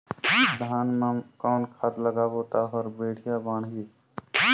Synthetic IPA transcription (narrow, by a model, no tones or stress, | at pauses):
d̪ʱaːnmakaːnkʰat̪ləɡaːbot̪aɦɔɾbeːʈʰijabaːɽɦi